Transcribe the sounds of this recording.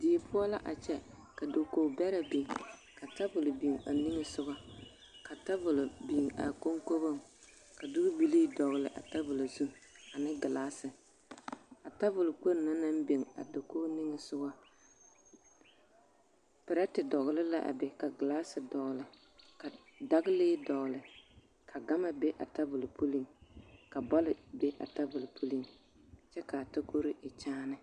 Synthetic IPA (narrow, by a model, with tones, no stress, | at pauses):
di˨e˨pʊ˦a˦la˦ʔa˨t͡ʃɛ˦ka˨do˨koː˦bɛ˦ɾa˦bi˨ŋ | ka˨ta˦vʊ˨lʊ˨bi˨ŋa˨ni˦ŋɪ˦sʊ˦ɡɔ˦ | ka˨ta˦vʊ˨lʊ˨bi˨ŋa̰˨ko˦ŋko˦bo˦ŋ | ka˨dʊ˦ɡʊ˦bi˨li˦dɔ˨ɣʊ˨lɪ̰˨ʔa̰˨ta˦vʊ˨lo˨zu˦ma˨nɪ˦ɡɪ˨laː˦sɪ˨ | a˨ta˦vʊ˨lʊ˨k͡po˦ɾna˦na˦mbe˨ŋa̰˨do˨ko˦nɪ˦ŋɪ˨sʊ˦ɡɔ˦ | pɪ˨ɾa˦tɪ˨dɔ˨ɣlɪ˦la˦ʔa̰˨bɛ˨ka˨ɡɪ˨laː˦sɪ˨dɔ˨ɣlɪ˨ | ka˨da˦ɡɪ˦leː˦dɔ˨ɣlɪ˨ | kʰa˨ɡa˦ma˦be˦ʔa̰˨ta˦vʊ˨lpʰu˦li˦ŋka˨bɔ˦lɪ˨be˦ʔa̰˨ta˦vʊ˨lpʰu˦li˦ŋ | t͡ʃɛ˦ka˨ta˦ko˦ɾɪ˦ʔɪ˨t͡ʃaː˦nɪ˦